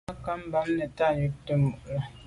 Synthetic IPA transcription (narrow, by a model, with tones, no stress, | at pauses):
a˦ka˦m̩˦ba˨˦ŋnɛ˨ta˦˨ɲə˨˦k̚tə˦mo˨ʔla˨